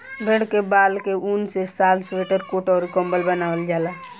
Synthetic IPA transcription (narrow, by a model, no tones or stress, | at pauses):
bʱẽɽkebaːlkeʔunsesaːlsʋeːʈəɾkoːʈɔːɾkə̃mbəlbənaːʋəld͡ʒaːla